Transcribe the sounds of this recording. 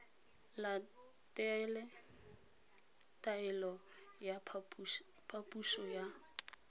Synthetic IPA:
la | tʼɛlɛ | tʼaɛlɔ | ja | pʰapʼuʃɔja

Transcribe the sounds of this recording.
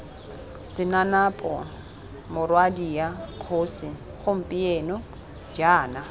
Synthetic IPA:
sɪnanapʼɔ̰ | mʊrwadiakʰoːsɪ | χʊm̩pʼɪeːnɔ | d͡ʒaːna

